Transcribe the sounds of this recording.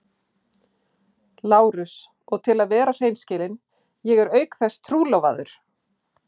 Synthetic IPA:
laːwɾʏs | ɔɣt̪ʰɪlaðvɛːɾar̥eːjnscɪːlɪn | jɛɣɛɾœːɥkθɛsːt̪ʰɾuːlowva̰ðʏ̰ɾ̥

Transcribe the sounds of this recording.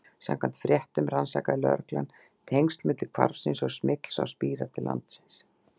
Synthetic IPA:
sa̰mkʰan̥t̪fɾjɛht̪ʏmransa̰kalœ̰ɾklan | t̪ʰejŋst̪lmɪt̪lɪkʰva̰ɾvsɪnsɔɣsmɪkl̥sa̰wspiːɾat̪ʰɪlʔa̰nt̪sɪns

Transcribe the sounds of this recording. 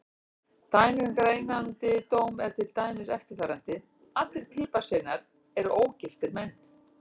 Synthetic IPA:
t̪aːjnɪɪŋkaɾejŋkant̪ɪt̪oːwmɛɾ̥t̪ʰɪlt̪aːjmɪsɛft̪ɪɾ̥fɛːɾant̪ɪ | at̪lɪɾ̥pʰɪːpasejnaɾ̥ | ɛɾʏʔoːwcɪft̪ɪɾmɛnː

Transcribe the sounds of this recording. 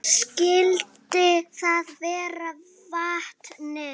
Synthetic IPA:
skɪlt̪ɪθaðvɛːɾa | vaht̪nɛ

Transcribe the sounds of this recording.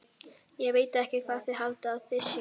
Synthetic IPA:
jɛɣveːjt̪ɛhcɪkʰv̥aːðθɪðɦalt̪aːðθɪsjʏ

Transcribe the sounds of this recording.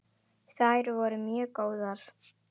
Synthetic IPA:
saːjɾʏvɔːɾʏmjœːkoːwðaɾ̥

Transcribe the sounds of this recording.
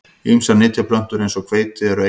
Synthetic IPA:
iʏmsanɪːt̪ʰjapʰlœn̥t̪ʏɾejnsɔkʰv̥eːjt̪ɪɛɾɔe

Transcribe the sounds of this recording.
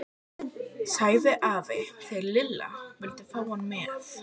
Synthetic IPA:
saːjðɪʔaːvɪθɛɾlɪlːa̰vʏlt̪ɪfaːwhɔnːmɛːθ

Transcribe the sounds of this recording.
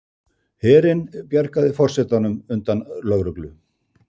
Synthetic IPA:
hɛːɾɪnpjaɾkaðɪfɔr̥sɛt̪anʏmʏnt̪anlœɣɾʏklʏ

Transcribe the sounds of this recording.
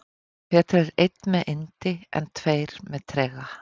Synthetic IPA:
fɛːt̪ʰaɾɪɾejt̪nmɛðʔɪnt̪ɪɛ̰nt̪ʰveːjɾ̥mɛðt̪ʰɾɛːɣa

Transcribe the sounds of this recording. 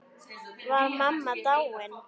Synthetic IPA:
βaɾmamːat̪awɛn

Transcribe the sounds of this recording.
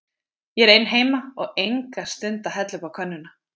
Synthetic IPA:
jɛɛɾejnɦeːjmaɔɣejŋkast̪ʏnt̪aɦɛt̪lʏpawkʰœnːʏna

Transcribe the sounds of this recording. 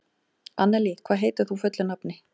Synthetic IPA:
anːɛlikʰvaːðɦeːjt̪ʏɾ̥θufœt̪lʏnapnɪ

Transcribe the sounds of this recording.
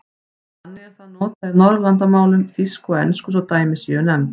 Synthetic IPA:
hanːɪɣɛɾ̥θaðnɔːt̪aðɪnɔɾðlant̪amaːwlɪnfiskɔɛnskʏs̬awt̪aːjmɪsiœnɛm

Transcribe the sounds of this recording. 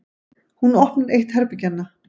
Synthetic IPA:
hunɔhpnʏɾejht̪hɛɾpɪcanːa

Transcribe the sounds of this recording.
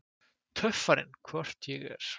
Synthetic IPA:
t̪ʰœfaɾɪ̰nkʰvœr̥t̪jɛɣɛ̰ɾ̥

